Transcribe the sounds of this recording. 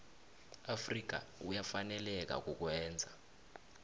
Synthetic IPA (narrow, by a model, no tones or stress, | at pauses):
afrik̬a̰ujafanɛlɛk̬a̰k̬uk̬wɛːnd͡zʱa